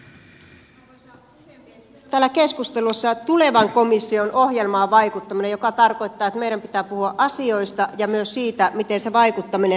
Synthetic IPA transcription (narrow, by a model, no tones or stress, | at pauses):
t̪æːlːæke̞skust̪elusːɑt̪ule̞ʋɑŋko̞misːionʔo̞hje̞lmɑːʋɑjkut̪ːɑminejjo̞kɑt̪ɑrko̞jt̪ːɑːet̪me̞iɾæmpit̪æːpuhuɑʔɑsio̞jst̪ɑjɑmyøssiːt̪æmit̪e̞nse̞ʋɑikut̪ːɑmine